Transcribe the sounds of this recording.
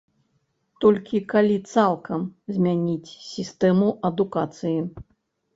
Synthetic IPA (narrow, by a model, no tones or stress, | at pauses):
t̪ɔlʲkʲikalʲit̪salˠkɐmzʲmʲanʲit͡sʲsʲist̪ɛmuʔɐd̪ukat̪sɨji